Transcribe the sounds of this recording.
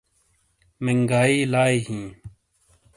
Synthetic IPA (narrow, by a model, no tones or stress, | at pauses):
meŋɡaːiːlaːiɦĩː